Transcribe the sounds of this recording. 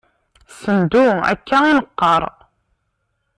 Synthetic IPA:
sənd̪uæ̰kːæinəqːəɾˤ

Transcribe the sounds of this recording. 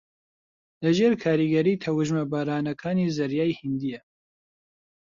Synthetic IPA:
lɐʒeːɾkʰaːɾiːɡɐɾiːt̪ʰɐwɨʒmɐbaːɾaːnɐkʰaːniːzɐɾjaːjhɪnd̪ijɛ

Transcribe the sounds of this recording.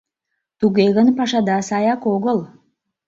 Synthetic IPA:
t̪uɣeɣə̆npɑʃɑd̪ɑsɑjɑkoɣəlˠ

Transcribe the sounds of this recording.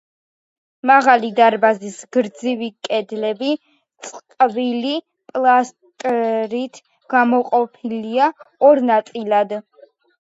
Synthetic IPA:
maʁalid̪aɾbazisɡɾd̪zivikʼɛd̪lɛbi | t̪sʼqʼvili | pʼlˠast̪ʼɾit̪ʰ | ɡ̥amɔqʼɔpʰiliaɔɾnat̪sʼilad̪

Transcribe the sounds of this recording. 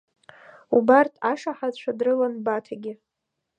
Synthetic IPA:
ubartʰaʂaħat͡ʃʷʰadrɨlanbatʰaɡʲɪ

